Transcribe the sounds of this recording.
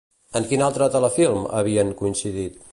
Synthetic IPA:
əŋkinalˠt̪ɾət̪ələfilˠmə̰βiəŋkuinsiðit̪

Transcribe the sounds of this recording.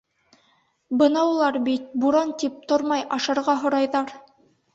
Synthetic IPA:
bɤnɑulˠɑɾbit̪̚buɾɑnt̪ip̚t̪oɾmɑjɑʃɤ̆ɾʁɑɦŏɾɑjðɑɾ

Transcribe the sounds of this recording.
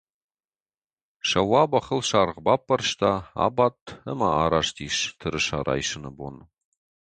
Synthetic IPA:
ʃɐwɑːbɐχəlʃaːrʁbapːɐrʃt̪ʰaa̰ːbat̪ʰːəmaaːɾaʂtʰiːʃtʰɨɾɨʃaːɾʔa̰ːjʃɨnɨbon

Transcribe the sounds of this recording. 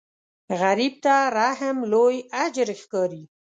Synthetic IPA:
ɣaɾib̚t̪aɾaɦɪmlojad͡ʒɾexkɑɾi

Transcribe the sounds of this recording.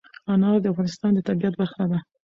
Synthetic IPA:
ɑnɑɾd̪əafɣɑnɪst̪ɑnd̪ət̪abiat̪̚baɾxnad̪a

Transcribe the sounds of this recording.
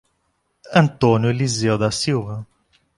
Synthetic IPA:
ɐ̃nt̪onjʊlizewd̪ɐsiwvɐ

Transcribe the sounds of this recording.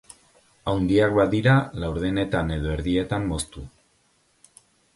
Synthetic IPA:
awnd̪iak̚baðiɾalawɾðene̞t̪ane̞ðo̞e̞ɾðie̞t̪amːo̞st̪u

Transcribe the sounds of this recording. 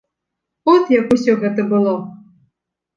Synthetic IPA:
ɔt̪jakusʲɔɣɛt̪ɐbɨlˠɔ

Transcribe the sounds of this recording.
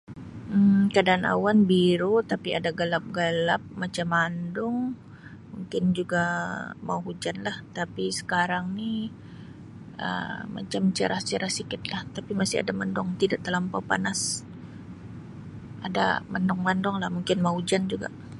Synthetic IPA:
kadaːna̰wanbiɾut̪apiadaɡalap̚ɡalap̚mat͡ʃamandʊŋ | muŋkɪnd͡ʒuɡama̰uɦud͡ʒanlaht̪apisə̥kaɾaŋni | ʔə̰ma̰t͡ʃamt͡ʃəɾʔaht͡ʃəɾahsikɪt̪̚laht̪apimasɪa̰damandʊŋt̪idaʔt̪əlampawpa̰nas | ʔada̰mandʊŋmandɔŋlahmuŋkɪnmaud͡ʒand͡ʒuɡa̰ʔ

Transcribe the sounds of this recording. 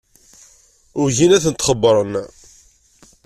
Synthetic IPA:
ʊɾʝinæθənt̪χəbːɾˤən

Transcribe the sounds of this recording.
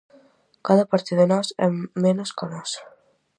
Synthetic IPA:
kaðapaɾt̪iðenɔsɛ̰menoskanɔs

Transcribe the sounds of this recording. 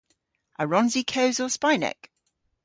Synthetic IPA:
ʔəɹɒ̃nzikʰəʊzəspaɪnɛ̰k

